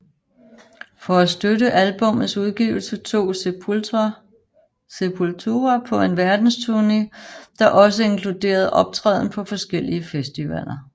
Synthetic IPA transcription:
fɒ̽æsd̥ødəʔælb̥ɔ̽m̰ð̩ˠsuðˠɡ̥ḭːʊl̩sət͡sʰo̝̰ː | sepʰult͡sʰoːɐpʰɒ̽e̝nʋæɐd̥n̩st͡sʰuɐnḭd̥ɑ̈ʔɒ̽s̬əe̝ŋkʰlud̥e̝̰ːɐð̞̩ˠʔɒ̽b̥̚t͡sʰʁɛ̰ːðˠn̩pʰɒ̽fɒ̽sɡ̥el̰iəfesd̥iʋæl̰ɐ

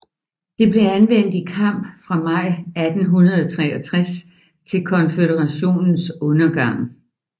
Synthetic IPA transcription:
d̥e̝ble̝ænʋen̰d̥ikʰɑ̈m̰b̥fʁɑ̈mɑ̈ɪ̰æd̥n̩ɦunɐð̞ˠɒt͡sʰʁɛːɒt͡sʰʁas | t͡sʰe̝lkʰɒ̽nfedəʁɑ̈ɕo̝̰ːnn̩sɔ̽nɐɡ̥ɑ̈ŋ̰

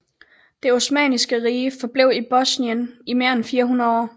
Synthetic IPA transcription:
d̥e̝o̝smɛ̰ːnisɡ̥əʁiːəfɒ̽b̥le̝ʊib̥ɒsniənime̝ɐenfiːɐɦunɐð̩ˠɒ̰ː

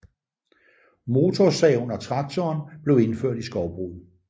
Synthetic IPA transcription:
mo̝t͡sʰɒsɛːʊnɒ̽t͡sʰʁɑ̈ɡ̥̚t͡sʰɒːnb̥le̝ʊe̝nføɐ̰d̥isɡ̥ɒʊb̥ʁṵː

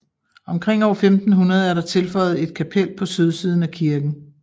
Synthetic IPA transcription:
ɒ̽mkʰʁeŋ̰ɒ̰ːɐfemd̥n̩ɦunɐð̞ˠæɐɾɑ̈t͡sʰe̝lfɒ̽ɪð̞̩ˠe̝d̥̚kʰæpʰel̰pʰɒ̽søð̞ˠsiːð̞ˠn̩ækʰiɐɡ̥n̩

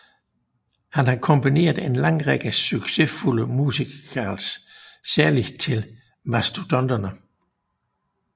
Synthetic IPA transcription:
hænhɑ̈kʰɔ̽mbine̝̰ːɐðˠe̝nlɑ̈ŋ̰ʁeɡ̥əsyɡ̥se̝fuləmuːsikʰɐssæɐlit͡sʰe̝l | mæsd̥od̥ɒnd̥ɐnə

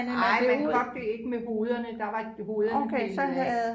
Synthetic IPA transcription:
nɪ̰enɒd̥ːe̝e̝ɡ̥əmeɦo̝ːðˠɐnəd̥ɑ̈ʋɑɡ̥əho̝ðˠokʰesɒð̩ˠ

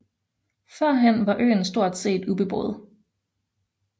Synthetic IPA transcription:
fɶɐ̰ɦænʋɑ̈ʔø̰ːn̩sd̥o̝ɐ̰d̥se̝̰ːd̥ub̥e̝b̥ʁo̰ːð̩ˠ

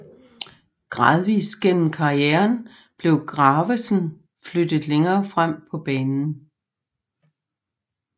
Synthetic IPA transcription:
ɡ̥ʁɑ̈ːð̞ˠʋḭːsɡ̥en̰m̩kʰɑ̈ieɐn | b̥le̝ʊɡ̥ʁɑːʋesn̩ | flød̥ð̩ˠleŋɐːfʁam̰pʰɒ̽b̥ɛːnn̩

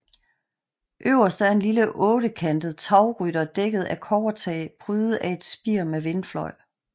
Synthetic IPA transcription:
ʔøʊ̰ɐsd̥æɐe̝nliləʔɔ̽ːɾ̥əkʰænd̥əð̩ˠt͡sʰɑ̈ʊʁyɾ̥ɐd̥eɡ̥əð̩ˠækʰɒʊɐt͡sʰɛ̰ːb̥ʰʁyːð̩ˠæe̝d̥sb̥iɐ̰meʋe̝nflɒ̽ɪ̰

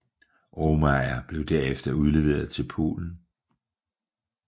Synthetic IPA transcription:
ʔomɑæb̥le̝ʊd̥æɐ̰efd̥ɐuð̞ˠle̝ʋe̝̰ːɐð̩ˠt͡sʰe̝lpʰo̝̰ːln̩

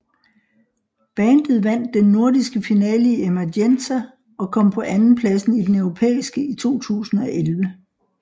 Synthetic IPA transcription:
b̥ɛːnd̥ð̩ˠʋæn̰d̥enːo̝ɐ̰disɡ̥əfinɛːliemædensæ | ɒ̽kʰɒ̽m̰pʰɒ̽ʔænn̩pʰlæsn̩id̥enœʊʁo̝pʰḛːisɡ̥əit͡sʰo̝̰ːt͡sʰṵːsn̩ɒ̽ʔelʋə

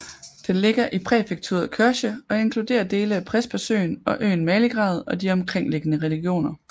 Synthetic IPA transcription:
d̥enle̝ɡ̥ɐʔipʰʁɛfeɡ̥̚t͡sʰṵɐð̩ˠkʰøɐɕəɒ̽e̝nkʰlud̥e̝̰ːɐd̥e̝ːləæpʰʁɛsb̥æsø̰ːnɒ̽ʔø̰ːn̩mɛːləɡ̥ʁɑ̈ːð̞̩ˠɒ̽d̥iɒ̽mkʰʁeŋ̰le̝ɡ̥ənəʁɛliɡ̥jo̝̰ːnɐ

